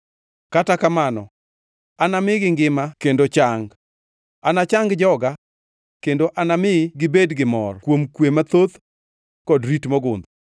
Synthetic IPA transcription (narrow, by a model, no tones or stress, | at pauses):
katakamanɔ̰ | anamɪɡɪŋɡɪmakendot͡ʃaŋɡ | anat͡ʃaŋɡd͡ʒɔɡa | kendoʔanamɪɡɪbedɡɪmɔ̰rkwomkwemat̪ot̪ | kɔdɾitmɔɡʊnd̪